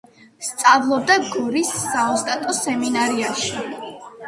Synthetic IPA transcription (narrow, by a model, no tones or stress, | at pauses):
st̪sʼavlˠɔd̪aɡɔɾisːaɔst̪ʼat̪ʼɔsɛminaɾiaʃi